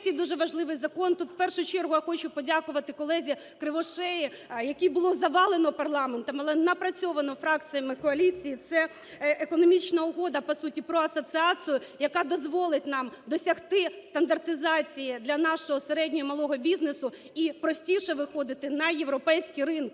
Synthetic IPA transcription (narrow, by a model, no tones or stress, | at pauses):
t̪ʲɛjd̪uʒɛʋɐʒlˠɪʋɪjzɐkɔnt̪ut̪wpɛrʃʊt͡ʃɛrɦʊjaxɔt͡ʃʊpɔdʲakʊʋɐt̪ɪkɔlˠɛzʲi | kɾɪʋɔʃɛji | jɐkʲijbʊlˠɔzɐʋɑlˠenɔpɐrlˠɑment̪ɔmɐlˠɛnɐpɾɐt͡sʲɔʋɐnɔfɾɑkt͡sʲɨjɐmɪkɔɐlʲit͡sʲijit̪sɛ | ʔekɔnɔmʲit͡ʃnɐʊɦɔd̪ɐpɔsutʲipɾɔɐsɔsɨɑt͡sʲʊjʊjɐkɑd̪ɔzʋɔlˠɪt̚ʲnɑmd̪ɔsʲɐxt̪ɪst̪ɐnd̪ɐrt̪ɪzɑt͡sʲijid̪lʲɐnɑʃɔɦɔseɾɛdʲnʲɔɦɔmɐlˠɔɦɔbʲiznesʊ | ipɾɔsʲtʲiʃɛʋɪxɔd̪ɪt̪ɪnɐjeʋɾɔpɛjsʲkʲijrɪnk